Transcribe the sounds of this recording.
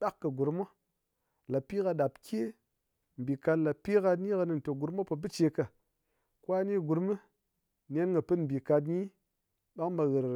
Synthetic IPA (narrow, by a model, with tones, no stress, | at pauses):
ɓa˦kːə˨ɡu˨ɾmo˦ | la˨pi˦ka˧ɗa˨pkʲʰe˦ | m̩˨bi˨ka˧tla˨pi˦ka˧dni˦ka˧nɨ˨n˨to˨ɡu˨ɾma˦pə˨bɨ˦t͡ʃe˧kə˨ | kwa˦ni˦ɡu˨ɾmɨ˦ | nʲe˦nŋɡə˨pɨ˦m̩˨bi˨ka˧tɲi˦ | ɓa˦ŋba˧ɣə˨ɾ